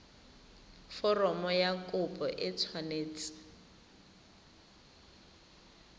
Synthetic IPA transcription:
fɔrɔmɔjakʼʊpʼɔʔɪt͡sʰwaneːt͡sɪ̥

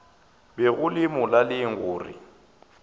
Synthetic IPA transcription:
bɛɣʊlɪmʊlalɪŋ̩ɣʊːrɪ̰

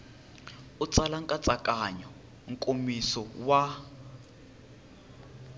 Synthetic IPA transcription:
ut͡sʼalaŋkʼat͡sʼakʼaɲɔ | ŋ̩kʼomisɔwa

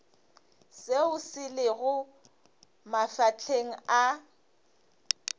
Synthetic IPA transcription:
seʊsɪlɪɣʊ | mafat͡ɬʰeŋ̩a

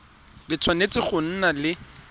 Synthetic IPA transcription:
bɪt͡sʰwanet͡sɪχʊn̩nalɪ

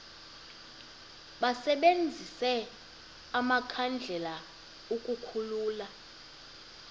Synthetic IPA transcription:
ɓasɛɓend͡zʱisɛ | amakʰand͡ɮʱɛla | ukʼukʰuluːla

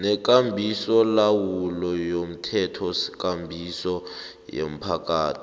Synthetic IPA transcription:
nɛk̬ʼambʱisɔlawulɔjom̩tʰɛtʰɔsi̥k̬ʼambʱisɔ | jḛm̩pʰak̬ʼaːtʰi̥

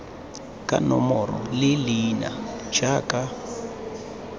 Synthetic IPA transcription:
kʼa̰nɔmɔrɔ̰lɪlina̰d͡ʒakʼa

